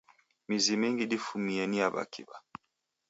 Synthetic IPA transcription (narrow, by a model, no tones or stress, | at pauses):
mizimiŋɡiɗifumiɛniaβa̰kḭba